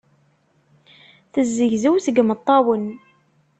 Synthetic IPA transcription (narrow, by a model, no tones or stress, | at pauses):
θəzːəʝzəwθəɡmət̪ˤːɑwən